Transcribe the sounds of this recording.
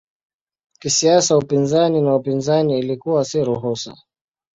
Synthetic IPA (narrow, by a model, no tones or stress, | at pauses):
kisiasaupinzaninaupinzaniːlikuwasiɾuɦusa̰